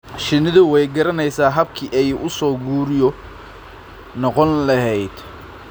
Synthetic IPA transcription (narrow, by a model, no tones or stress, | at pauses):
ʃɪnɪðʊwɛjɡɐɾɐnɛjsaːɦɐb̚kʰiʔɛjʔʊsɔːɡuːɾɪjɔ | nɔqɔnlɐɦɛjd̪